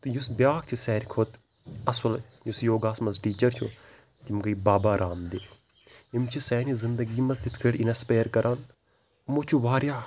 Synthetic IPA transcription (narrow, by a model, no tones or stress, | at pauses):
t̪ujusbjaːk̚t͡ʃʰisɛːɾkʰoːt̪ | ɐsɐl | jusjoːɡaːsmɐzʈiːt͡ʃɐɾt͡ʃʰo | t̪imɡɐibaːbaːɾʔaːmd̪i | imt͡ʃʰisɛːnizɪnd̪əɡiːmɐzt̪it̪ʰkʰeʈinɐspeːɾkɐɾʔaːn | mot͡ʃʰuʋaːɾjaː